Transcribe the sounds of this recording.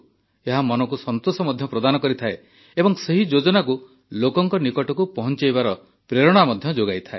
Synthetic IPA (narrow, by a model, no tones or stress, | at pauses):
eɦamɔnɔkusɔnt̪osɔmɔd̪ʱjɔpɾɔd̪anɔkɔɾit̪ʰae | ebɔŋseɦid͡ʒod͡ʒɔnaku | lokɔŋkɔnikɔʈɔkupɔɦɔnt͡ʃajbaɾɔ | pɾeɾɔɽ̃amɔd̪ʱjɔd͡ʒoɡajt̪ʰaḛ